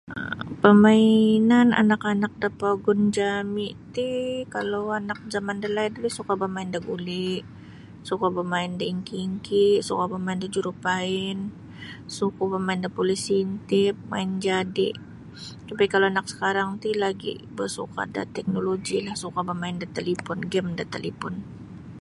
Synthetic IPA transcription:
pəmainana̰nakanak̚dapaɡʊnd͡ʒamiʔt̪ikalowanak̚zamandəlajdulisukabamaɪndaɡulɪʔ | sukabəmaɪndaiŋkiːŋkiʔsukabəmaɪndad͡ʒuɾupaɪn | sukabamaɪndapolisint̪ɪp̚ma̰ɪnd͡ʒadɪ̰ʔ | t̪apikaloanaksə̥kaɾaŋt̪ilaɡḭʔbərsṵka̰da̰t̪ɛk̚noloɡilahsukabamaɪndat̪əlipɔnɡɛmdat̪alipʊn

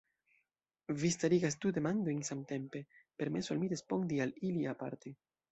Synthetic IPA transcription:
vistaɾiɡas̬dude̞mando̞jnsamte̞mpe̞pe̞ɾme̞soalmiɾespo̞ndialiliapa̰ɾte

